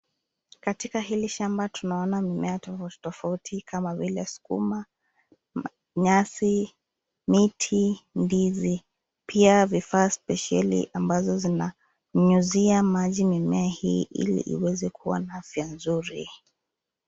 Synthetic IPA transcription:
katikahiliʃambatʰunaɔnamimɛatɔtɔfautʰikʰamavilɛasu̥kṵma | ɲasi | mitʰindizi | pʰiavifaːspɛʃalḭʔambazɔzina | m̩ɲuziamaʄimimɛahiːʔḭlḭʔḭwɛzɛkʰuwa̰naafjanzuɾḭ

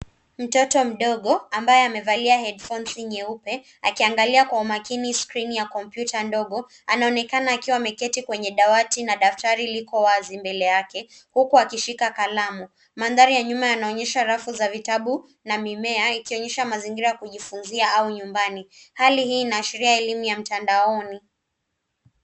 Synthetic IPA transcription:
m̩tɔtɔm̩ɗɔɠɔambajɛamɛvaliahɛdfɔnsiɲɛupɛ | akiaŋɡaliakwaumakiniskɾinijakɔmpjutʰandɔɠɔ | anaɔnɛkanaːkiwamɛkɛtikwɛɲɛɗawatinaɗaftaɾilikɔwazimbɛlɛjakɛ | hukuakiʃikakalamu | manðaɾijaɲumajanaɔɲɛʃaɾafuzavitaɓu | namimɛaikiɔɲɛʃamaziŋɡiɾajakuʄifunziaauɲumbanihalihiːnaːʃiɾiaɛlimujam̩tandaɔni

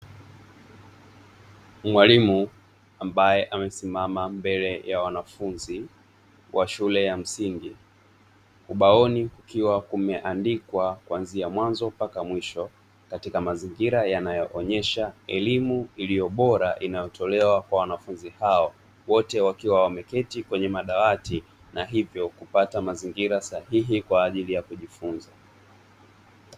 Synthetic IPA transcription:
mwalimu | ambajɛʔamɛsimamambɛlɛjawanafunzi | wʔaʃulɛjam̩siŋɡi | uɓaɔnikukiwakumɛʔandikwakwanziamwanzɔpakamwiʃɔ | katikamaziŋɡiɾajanajɔʔɔɲɛʃaɛlimuilijɔɓɔɾaʔinajɔtʰɔlɛwakwawanafunzihaɔ | wɔtɛwakiwawamɛkɛtikwɛɲɛmaɗawati | naɦivjɔkupatamaziŋɡiɾasahiɦikwaːʄilijakuʄifunza

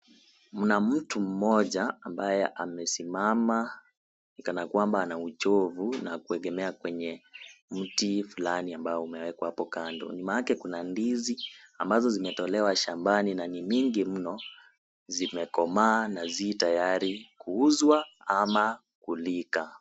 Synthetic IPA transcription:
m̩nam̩tum̩mɔʄaambajɛʔamɛsimama | nikanakwambaːnaut͡ʃɔvunakuɛɠɛmɛakwɛɲɛm̩tifulaniambaɔumɛwɛkwahapɔkandɔ̰ɲimaakɛkunandiziambazɔzimɛtɔlɛwaʃambaninaniɲiŋɡim̩nɔ | zimɛkɔmaːnaziːtajaɾikuuzwaama | kulika

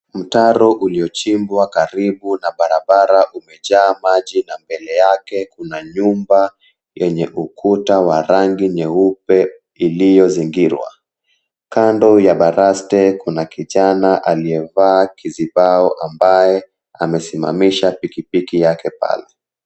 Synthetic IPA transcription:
m̩taɾɔʔuliɔt͡ʃimbwakaɾiɓunaɓaɾaɓaɾaʔumɛʄaːmaʄinambɛlɛjakɛkunaɲumba | jɛɲɛʔukʰutawaɾaŋɡiɲɛupɛ | ilijɔziŋɡiɾwa̰ | kandɔjaɓaɾastɛkunakiʄanaʔaliɛvaːkʰiziɓaɔʔambajɛ | amɛsima̰miʃapikipikijakɛpa̰lɛ

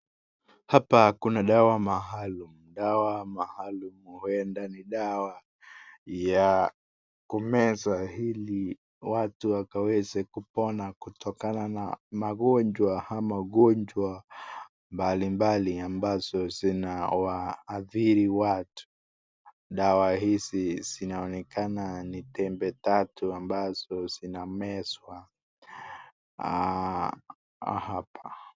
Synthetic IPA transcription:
hapakunaɗawamaɦalumuɗawamahalumhuɛndaniɗawa | ja | kumɛzahili | watuwakawɛzɛkupɔnakutʰɔkanana̰maɠɔɲd͡ʒwahamaɠɔɲd͡ʒwa | mbalimbaliambaz̥ɔzinawaːθiɾiwatʰu̥ | ɗawahiziz̥inaɔnɛkananitɛmbɛtatuambaz̥ɔz̥inamɛswa | hapʰḁ

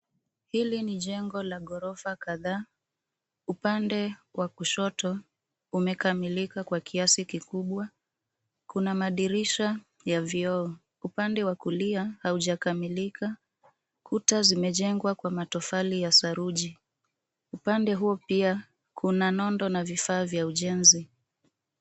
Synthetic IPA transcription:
hiliniʄɛŋɡɔlaɠɔɾɔfakaðaː | upandɛwʔakuʃɔtɔ | umɛkamilikakwakʰiasikikuɓwa | kunamaɗiɾiʃa | javiɔɔ | upandɛwakuliahauʄakamilika | kutazimɛʄɛŋɡwakwamatɔfalijasaɾuʄi | upandɛɦuɔpia | kʰunanɔndɔnavifaːvjauʄɛnzi

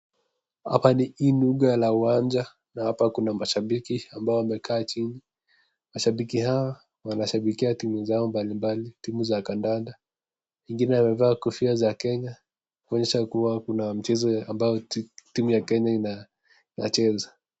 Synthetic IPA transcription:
ha̰paniinuɠajalauwaɲd͡ʒa | nahapakunamaʃaɓikiambaɔwamɛkʰaːt͡ʃini | maʃaɓikihawa | wanaʃaɓikiatimuzaɔmbalimbalitimuzakandanda | wɛŋɡinɛamɛvaːkɔfiazakɛɲa | kuɔɲɛʃakuwakunam̩t͡ʃɛzɔambajɔtimujakɛɲaina | ina̰t͡ʃɛza

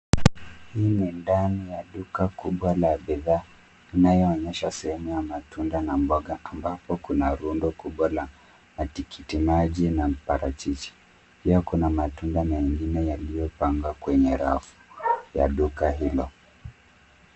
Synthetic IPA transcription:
hiːnindanijaɗukakuɓwalaɓɛðaː | inajɔːɲɛʃasɛhɛmujamatundanambɔɠaʔambapɔkunaɾundɔkuɓwala | matikʰitimaʄinapaɾat͡ʃit͡ʃi̥ | piakunamatundamɛŋɡinɛjalijɔpaŋɡwakwɛɲɛɾa̰fu̥ja̰ɗukaɦilɔ

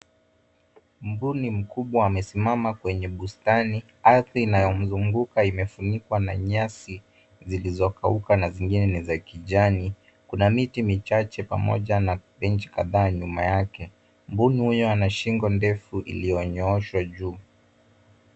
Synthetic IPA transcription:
mbunim̩kuɓwaːmɛsimamakwɛɲɛɓustani | aθiːnajɔm̩zuŋɡukaimɛfunikwana̰ɲasi | zilizɔkaukanaziŋɡinɛnizakiʄani | kunamitimit͡ʃat͡ʃɛpa̰mɔ̰ʄanapɛnt͡ʃi̥ka̰ðaːɲuma̰jakɛ | mbunihujɔanaʃiŋɡɔndɛfuʔḭlijɔɲɔɔʃwaʄuː

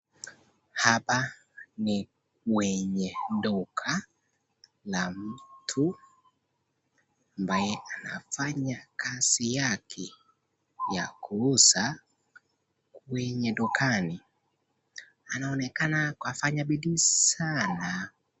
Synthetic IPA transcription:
hapa | ni | kwɛɲɛdɔkʰa | lam̩tʰu | ambajɛana̰faɲakasijakʰɛ | jakusa | kwɛɲɛdukani | anaɔnɛkanakwafaɲabiɗisana

